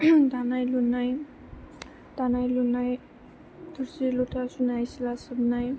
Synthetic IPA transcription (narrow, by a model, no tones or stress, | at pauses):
d̪ʱanajlunaj | d̪̥anajlunaj | d̪ʱuɾsilutʰasunajsilasəbnaj